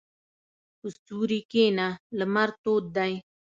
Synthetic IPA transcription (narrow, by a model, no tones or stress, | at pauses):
ust̪uːɾikeːnaləmɐɾt̪oːt̪̚d̪aj